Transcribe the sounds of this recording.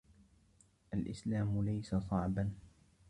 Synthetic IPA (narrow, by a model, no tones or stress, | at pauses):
ʔalʔɪslaːmʊlajsasˤɑʕban